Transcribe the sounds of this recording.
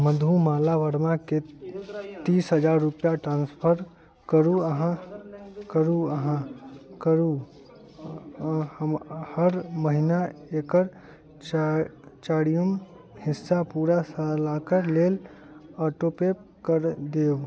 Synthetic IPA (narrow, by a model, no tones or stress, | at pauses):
məd̪ʱumaːlaʋəɾmake | t̪iːsɦəd͡ʒaːɾːupjaʈɾãːnspʰəɾ | kəɾuəɦã | kəɾuəɦãkəɾu | həɾməɦinaeːkəɾ | t͡ʃaːɽijəm | hɪsːapuːɾasalaːkəɾleːl | əːʈopep̚kəɾd̪eːo